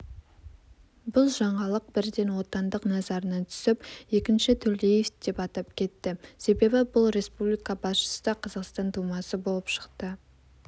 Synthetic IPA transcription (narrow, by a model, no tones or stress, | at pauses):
bʊlˠʒɑɴɑlˠəq̚bɪɾd̪e̞nwo̞t̪ɑnd̪əqnɑzɑɾənɑt̪ʰʏ̥sɪpje̞kʲɪnʃɪt̪ʰɵlejefd̪e̞pɑt̪ɑp̚kʲʰe̞t̪ːɪse̞be̞bɪbʊlˠɾe̞spublijkɑbɑsʃə̥səd̪ɑqʰɑzɑqst̪ɑnt̪ʰumɑsəbo̞lˠəpʃə̥qt̪ə